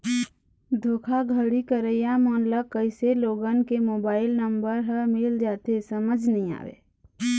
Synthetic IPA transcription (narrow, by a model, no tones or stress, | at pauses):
d̪ʱoːkʰaɡʱəɽikəɾəjamɔːnləkːəɪseloːɡənkemoːbaːɪlnəmbəɾɦəmɪld͡ʒaːt̪esəməd͡ʒʱnəɦĩa̰ːwḛː